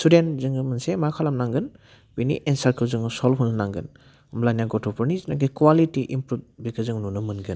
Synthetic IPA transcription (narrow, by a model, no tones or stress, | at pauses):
sudentzɯŋɡɯmɯnsemakʰalamnaŋɡɯn | b̥inḭʔensaɾkʰɯwzɯŋsɔlɦunɯnaŋɡɯn | mlajnaɡɔtʰɔpʰɔɾnizinaɡ̬ikwalitiʔimpɾub̚bikʰɯzɯŋnunɯmɯnɡɯn